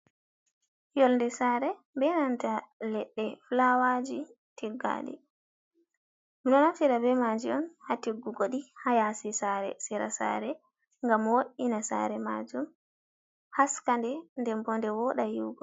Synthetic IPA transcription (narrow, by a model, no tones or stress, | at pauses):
jɔlndɛsaɾɛ | bɛnantalɛɗːɛflawad͡ʒi | tiɡːa̰ɗɛ̰ | minɔnamsiɾabɛmad͡ʒiɔnhatiɡːuɡoɗihajasisaɾɛ̰siɾa̰sa̰ɾɛ | ŋɡamwoɗinasa̰ɾɛma̰d͡ʒum | haskandɛndɛmbɔndɛwɔɗajuɡɔ